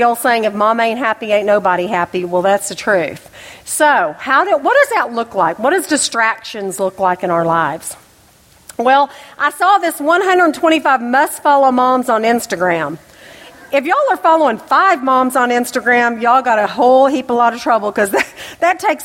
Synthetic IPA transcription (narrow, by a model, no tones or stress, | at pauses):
ɔlˠseɪɪ̃ŋɨfmɑ̃mẽɪ̃nɦæpieɪtⁿnoʊbəɾiɦæpiwɛlˠðætsðɨtʰɹ̥ʉθ | soʊhaʊɾɨwʌt̚d̥ʌzðətˡlʊklaɪkwʌt̚d̥ʌzdɨstɹ̥ækʃɨ̃nzlʊklaɪkɨ̃aʊə˞laɪvz̥ | wɛlˠʔaɪsɔðɪswʌ̃nɦʌ̃ndɹədn̩tʰw̥ɛ̃ɾ̃ifaɪvmʌstfɑlˠoʊmɑ̃mzn̩ɪ̃nstɨɡɹæ̃m | ɨfjɨɔlˠə˞fɑlˠoʊɪ̃ŋfaɪvmɑ̃mzn̩ɪ̃nstɨɡɹæ̃mjɨɔlˠɡɑɾɨɦoʊlˠɦipəlɔɾʌvtʰɹ̥ʌbl̩ˠkʌzðɨðɨtʰeɪks